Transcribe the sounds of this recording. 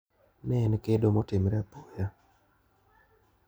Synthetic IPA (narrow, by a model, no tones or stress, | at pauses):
nɛnkedomotɪmɾɛapoja